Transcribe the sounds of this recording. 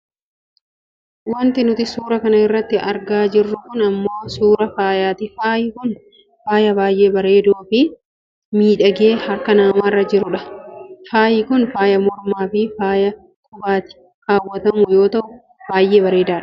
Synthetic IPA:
wɐnt̪ɪnʊt̪ɪsuːɾɐkɐnɐɪrːɐt̪ːɪɐɾɡaːd͡ʒɪrːʊkʊnɐmːo̞ːsuːɾɐfaːjaːt̪ɪfaːjɪkʊn | faːjɐbaːjʔe̞ːbɐɾe̞ːd̪uːfɪ | miːᶑɐɡeːhɐɾkɐnaːmaːrːɐd͡ʒɪɾʊᶑɐfaːjɪkʊnfaːjɐmɔɾmaːfɪfaːjɐ | kʰʼʊbaːt̪ɪ̥ | kaːwːɐt̪ɐmʊjo̞ːt̪ɐʔʊ | b̥aːjʔe̞ːbɐɾe̞ːd̪aːᶑɐ̥

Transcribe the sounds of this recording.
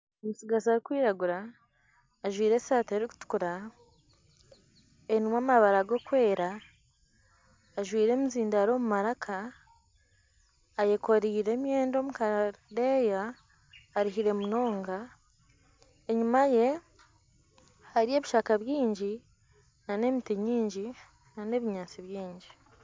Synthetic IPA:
omusiɡazaɾikwiːɾaɡuɾaː | ʒwiːɾe̞saːteɾiku̥tu̥kuɾa | enimwamaβaɾaɡo̞kwe̞ːɾa | ʒwiːɾe̞muziːndaɾo̞mumaɾakʰa | jekʰo̞ɾiːɾe̞ːmje̞ːndo̞ːmukadejaː | ɾiɦiɾe̞muno̞ːŋɡa | eɲumaje̞ | haɾie̞ːβiʃaːkaβjiːɲɟi | nane̞mitiɲiːɲɟi | nane̞ːβiɲaːt͡siβjiːɲɟi

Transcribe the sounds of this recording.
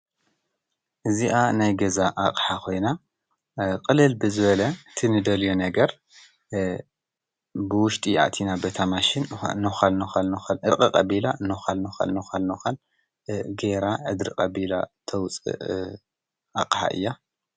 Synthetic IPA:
ʔɨziʔanajɡɐzaʔaqʼħakʰo̞jna | qʼɨlɨlbɨzɨβɐlɐɨt̪ʰinɨd̪ɐljonɐɡɐɾ | bɨwʊʃt̪ʼia̰t̪ʰinabɐt̪ʰamaʃɪn̰nɨxalnɨxalnɨxalʔɨkʼɨkʼɐbilanoxalnɨxa̰lnɨxalnoxal | ɡeɾaʕɨd̪ɾɨkʼɐbila̰t̪ʰɐwt͡sʼɨ̰ʔ | ʔa̰kʼħa̰ʔɨ̰jːa

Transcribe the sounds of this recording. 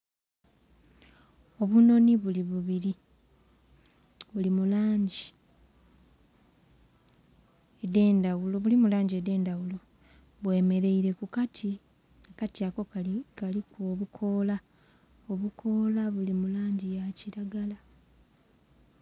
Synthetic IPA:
o̞βuno̞niβuliβuβiɾi | βulimulaːɲɟi | edeːndawuloβulimulaːɲɟiede̞ːndawulo̞ | βwe̞ːme̞ɾe̞iɾe̞kukatʰi | ekatiako̞kalikoːβukʰo̞ːla | o̞βukʰo̞laβulimulaːɲɟijaciɾaɡala

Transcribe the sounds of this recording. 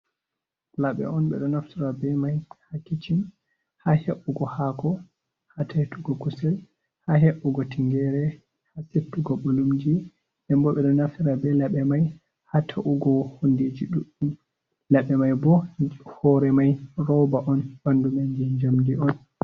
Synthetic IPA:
laɓɛ̰ʔɔnɓɛ̰ɗɔnaftiɾabɛmajhakːit͡ʃin | haheɓːuɡɔhakɔ | hatʰahtuɡɔkusal | haɦeɓːuɡɔtiŋɡɛɾɛ | hasetːuɡɔɓolumd͡ʒi | ʔɛmbɔɓɛɗɔnafiɾabɛlaɓɛmaj | hatʰaʔuɡɔhonded͡ʒiɗuʔun | laɓɛmajbɔhɔɾɛmajrɔwbaʔɔnbandumaɲd͡ʒiɲd͡ʒamdiʔɔn

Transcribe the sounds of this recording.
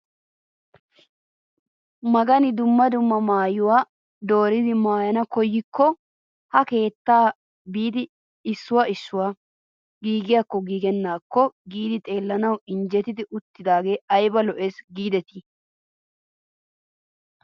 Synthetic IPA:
mɐɡɐnɪd̪ʊmːɐd̪ʊmːɐmaːjʊwaː | d̪o̞ːɾɪd̪ɪmaːjɐnɐkɔjːɪkːɔ | hɐke̞ːt̪ːaː | biːd̪ɪ | sːʊwaɪsːʊwa | ɡiːɡɪjakːɔɡiːɡɛnːaːkːɔɡiːd̪ɪt̪ʼe̞ːlːɐnɐwɪnd͡ʒɛt̪ɪd̪ɪʔʊt̪ːɪd̪aːɡe̞ːɐjbɐlɔʔeːsɡiːd̪ɛt̪i

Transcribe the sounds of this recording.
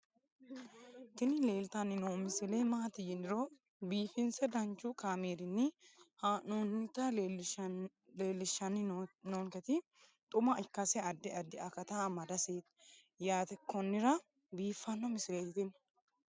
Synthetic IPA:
t̪ɪnɪleːlt̪ɐnɪnoːmɪsɪleːmaːt̪ɪjɪnɪɾɔ | biːfɪnsɛd̪ɐnt͡ʃːukaːmeːɾɪnːɪhaːnonːɪt̪ɐ | leːlːɪʃːɐnɪnoːŋkɛt̪ɪ | t̪ʼʊmɐʔɪkːɐsɛɐd̪ːɪɐd̪ːɪɐkɐt̪amɐd̪ɐseːt̪ | jaːt̪ɛkːɔnːɪɾɐ | biːfːɐnːɔmɪsɪleːjɪt̪ɪn

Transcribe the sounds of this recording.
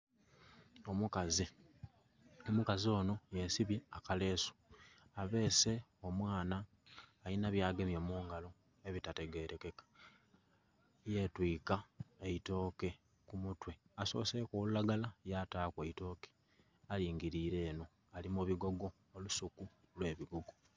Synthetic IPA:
o̞mukazi | omukazio̞ːno̞jesiβiakale̞ːso̥aβe̞ːse̞o̞mwaːnaː | jinaβjaːɡe̞mjomuːŋɡalo̞ | e̞βitate̞ɡe̞ːɾʔe̞ke̞kḁ | je̞twiːkaeito̞ːke̞ | kumutwe̞aso̞̰ːse̞koːlulaɡalajataːkweito̞ːke̥ | aliːŋɡiɾiːɾe̞ːno̞ | alimuβiɡo̞ɡo̞ːlusuku | lwe̞ːβiɡoɡo̞

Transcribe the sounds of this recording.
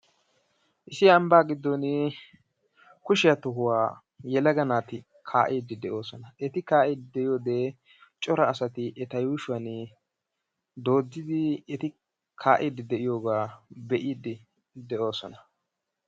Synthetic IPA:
ʔɪsɪjaːmbaːɡɪd̪ːɔnɪ | kʊʃɪjɐt̪ʊɦʊwaː | jɛlɐɡɐnaːt̪ɪ | kʰaːʔiːd̪ɪd̪ɛʔo̞ːsɔnɐʔɛt̪ɪkaːʔiːd̪ɪd̪ɛɪjoːd̪eː | t͡ʃʼɔɾɐːsɐt̪ɪʔɛt̪ɐjuːʃʊwɐn | d̪o̞ːd͡zːɪd̪ɪɛt̪ɪ | kʰaːʔiːd̪ːɪd̪ɛʔɪjo̞ːɡaːbɛʔiːd̪ɪ | d̪ɛʔo̞ːsɔnɐ

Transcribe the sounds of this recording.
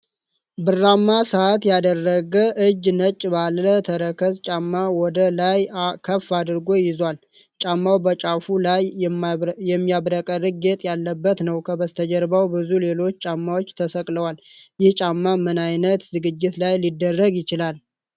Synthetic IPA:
bɨrːamːasəat̪jad̪ərːəɡəʔɨd͡ʒnət͡ʃʼːbalːət̪ʰəɾəkʰəst͡ʃʼamːawɔd̪əlajkʰəfːad̪ɨɾɡo̞jɪzwal | t͡ʃʼamːawbət͡ʃʼafulaj | jɛmːijaβɾəkʼəɾɨɡ̚ɡe̞t̪ʼjalːəbːət̪nəwkʰəbəst̪ʰəd͡ʒəɾbawbɨzule̞lo̞t͡ʃːt͡ʃʼamːawot͡ʃːt̪ʰəsəkʼləwal | jɪht͡ʃʼamːamɨnajnət̪zɨɡɨd͡ʒːɪt̪lajlid̪ːərːəɡjɪt͡ʃɪlal

